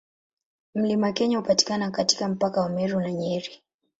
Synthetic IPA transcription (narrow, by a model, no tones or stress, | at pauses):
m̩limakɛɲahupati̥kanakati̥kam̩pakawamɛɾunaɲɛɾi